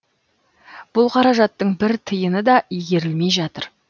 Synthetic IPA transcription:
b̥ʊlˠqʰɑɾɑʒɑt̪ːəɴbɪɾt̪ʰəjənəd̪ɑʔijɡʲe̞ɾɪlme̞jʒɑt̪əɾ

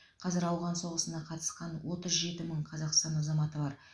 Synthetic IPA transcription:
qʰɑzɪɾɑwʁɑnso̞ʁəsənɑqʰɑt̪ə̥sqɑnwo̞t̪əzʒe̞t̪ɪməɴqʰɑzɑqst̪ɑnɑzɑmɑt̪əbɑɾ

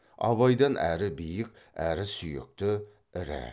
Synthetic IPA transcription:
ɑ̰βɑjd̪ɑnʔæɾɪbijɪkʲ | æɾɪsʏjɪ̰k̚t̪ɪ | ɪɾɪ̰

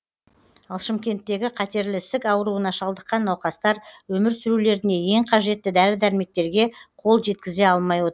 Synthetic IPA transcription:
ɑlˠʃɪmkʲe̞nt̪ːe̞ɡʲɪqʰɑt̪e̞ɾlɪsɪkɑwəɾuənɑʃɑlˠd̪əqːɑnːɑwqɑst̪ɑɾwɵmɪɾsʏɾule̞ɾɪne̞je̞ŋqʰɑʒe̞t̪ːɪd̪æɾɪd̪æɾme̞k̚t̪e̞ɾɡʲe̞qʰo̞lˠʒe̞t̪̚kʲɪze̞ɑlˠmɑjwo̞t̪əɾ

